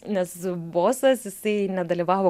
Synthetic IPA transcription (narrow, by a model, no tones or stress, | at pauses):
nʲɛsboːsɐsjɪsɐɪnʲɛd̪ɐlʲiʋɑːʋoː